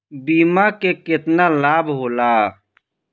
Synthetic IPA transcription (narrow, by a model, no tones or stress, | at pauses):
biːmakekɪt̪nalaːbɦoːlaː